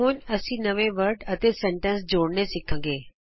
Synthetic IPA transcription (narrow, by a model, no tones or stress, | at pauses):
oːɲɐsĩnɐʋẽʋəɾɖɐt̪esẽɳʈə̃ns̬d͡ʑoːɽnesɪkʰə̃ŋɡeː